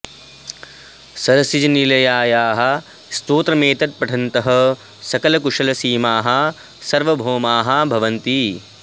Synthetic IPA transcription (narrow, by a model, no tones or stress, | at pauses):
sɐɾɐsid͡ʒɐnilɐjaːjaːɦɐ̆ | st̪oːt̪ɾɐmeːt̪ɐt̪̚pɐʈʰɐnt̪ɐɦɐ̆ | sɐkɐlɐkuʂɐlɐsiːmaːɦɐ̆ | sɐɾʋɐbʱoːmaːɦɐbʱɐʋɐnt̪i